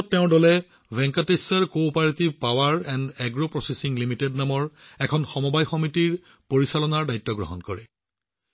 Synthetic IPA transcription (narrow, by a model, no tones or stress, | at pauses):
tːɛʊ̃dɔlɛ | bɛŋkatesaɹkopaɹtipawaɹɛndɛɡɹopɹɔsesiŋlimitednamɔɹɛkʰɔnxɔmɔbajxɔmitiɹ | poɹisalɔnaɹdajtːɔɡɹɔ̰ɦɔnkɔɹɛ